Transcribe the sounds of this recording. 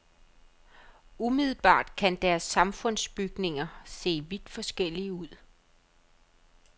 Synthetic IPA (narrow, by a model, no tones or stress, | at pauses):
umiðˠl̩b̥ɑ̰̈ːd̥kʰænd̥æɐsːɑ̈mfɔ̽n̰sb̥yɡ̥ne̝ŋɐse̝̰ːʋid̥fɒ̽sɡ̥el̰iəuð̰ˠ